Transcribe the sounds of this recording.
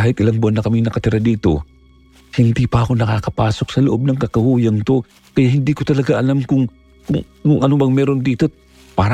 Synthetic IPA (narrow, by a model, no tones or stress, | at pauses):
aːhɪt̪̚ʔɪlaŋbʊɐnːɐkɐmɪŋnɐkɐt̪ɪɾad̪iːt̪o̞̰ | hɪnd̪ipɐʔɐko̞nɐkakɐpaːso̞k̚sɐloʔo̞b̚nɐŋkɐkɐhuːjɐŋk̪o̞ | kɐjahɪnd̪ikot̪ɐlɐɡaʔɐlamkʊŋ | kʊŋ | kʊŋʔɐnobɐŋmɛːɾo̞nd̪iːt̪o̞ | paːɾ